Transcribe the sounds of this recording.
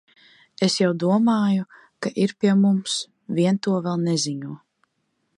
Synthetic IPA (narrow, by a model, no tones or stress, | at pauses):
esjawd̪uɔmaːju | kaʔiɾpiɛmums | vʲiɛnt̪uɔvɛlˠnɛziɲuɔ